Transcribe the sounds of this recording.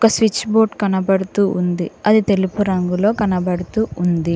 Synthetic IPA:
ɔkɐsʋit͡ʃːboːɾʈkɐnɐbɐɽut̪uːʔund̪iɐd̪it̪e̞lipuɾɐŋɡulo̞ːkɐnɐbɐɽut̪uːund̪i

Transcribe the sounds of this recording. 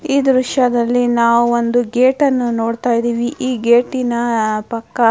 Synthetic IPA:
iːd̪ɾuʃɐd̪ɐlːinaːʋuond̪uɡeːʈɐnːunoːɽt̪aːjid̪iːʋiʔiːɡeːʈːinɐpɐkːɐ

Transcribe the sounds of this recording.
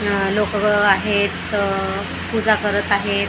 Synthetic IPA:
lokaɦet̪ | pud͡zakəɾət̪aɦet̪

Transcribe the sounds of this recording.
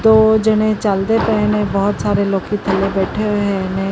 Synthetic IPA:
t̪oːd͡ʒɐnẽt͡ʃaːld̪epɛnẽbɔɦʊt̪saːɾeloːɡkit̪ʰɐlːebɛːʈʰeɦẽnẽ

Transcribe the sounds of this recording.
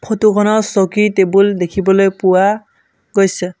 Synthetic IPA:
pʰotukʰɔnɔsokitebuldekʰibɔlojpʊwa | ɡojsɛ

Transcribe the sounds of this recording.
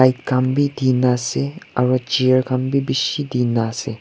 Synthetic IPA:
ajkkambʱid̪iːnaseɐ̰ɾot͡ʃiəɾkambʱibiʃid̪iːnase

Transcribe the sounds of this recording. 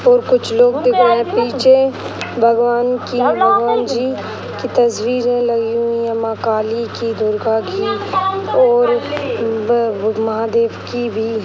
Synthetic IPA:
ɔːɾkʊt͡ʃʰloːɡd̪ɪkʰaẽpiːt͡ʃʰe | bʱɐɡʋaːnkĩbʱəɡʋaːnd͡ʒiː | kit̪ɐswiːɾẽləɡiuũĩjəmãkaːlikid̪ʱʊɾkaki | ɔːɾ | mɐɦaːd̪eːʋkibʱi

